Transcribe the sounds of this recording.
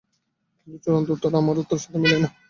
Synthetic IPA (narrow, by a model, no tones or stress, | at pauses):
bit͡ɕoɾont̪oɾt̪aɾamɔd̪ot̪ːoɾʃat̪ʰemilen